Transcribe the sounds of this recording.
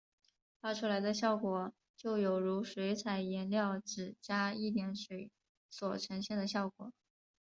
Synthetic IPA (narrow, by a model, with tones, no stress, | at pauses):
fa˥˧ʈ͡ʂʰu˥la˧˥ɪd̪ə˧ɕjɑ˥˩ʊkwɔ˨˩ | t͡ɕjo˥˩ʊjo˨˩ʊɻu˧˥ʂwe˧˥ɪt͡sʰa˨˩ɪjɛ˧˥nljɑ˥˩ʊʈ͡ʂɻ̩˨˩t͡ɕja˥i˥˩t̪jɛ˧˥nʂwe˧˥ɪ | swɔ˨˩ʈ͡ʂʰɤ˧˥ŋɕjɛ˥˩nd̪ə˩ɕjɑ˥˩ʊkwɔ˨˩˦